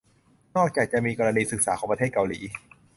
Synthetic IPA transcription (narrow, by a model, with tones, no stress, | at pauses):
nɔː˥˩k̚t͡ɕaː˨˩k̚t͡ɕa˨˩ʔmiː˧kɔː˧ɾa˧niː˧sɯ˨˩k̚saː˩˦kʰɔː˩˦pa˧t̪ʰeː˥˩t̪ka˧wliː˩˦